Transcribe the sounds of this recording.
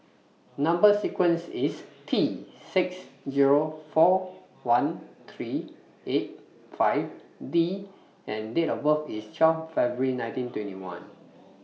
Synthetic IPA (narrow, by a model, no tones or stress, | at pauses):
nãmbəsikwə̃nsistʰiːɪksziɹofɔ | wãnt̪ʰɹi | et̚ | faɪvdi | ɛ̃ndetɔbəfist͡ʃwɛffɛbuɹinãj̃ntĩntwɛ̃ntḭwã̰n